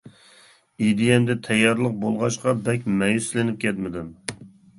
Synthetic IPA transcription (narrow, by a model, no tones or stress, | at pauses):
id̪ɪjɛmd̪ɛt̪ʰɛjːɑɾlˠəq̚bolˠʁɑʃqɑbɛkʲmɛjyslɪnɪp̚kʲʰɛt̪mɪd̪ɪm